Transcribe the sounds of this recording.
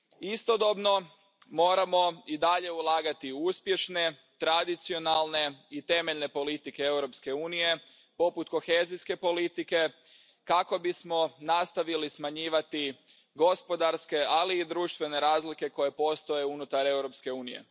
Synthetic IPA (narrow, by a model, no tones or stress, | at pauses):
ist̪od̪o̞bno̞ | mo̞ːɾamo̞id̪aʎe̞ulˠaːɡat̪iuspje̞ʃne̞ | t̪ɾad̪it̪sio̞nalˠne̞it̪e̞me̞ʎne̞po̞lit̪ike̞ewɾo̞pske̞uːnije̞ | po̞put̪ko̞xe̞ziske̞po̞lit̪ike̞ | kako̞bismo̞nast̪aʋilismaɲiːʋat̪i | ɡo̞spo̞d̪aɾske̞aliːd̪ɾuːʃt̪ʋe̞ne̞ɾaːzlike̞ko̞je̞po̞st̪o̞jeunut̪aɾe̞wɾo̞pske̞uːnije̞̰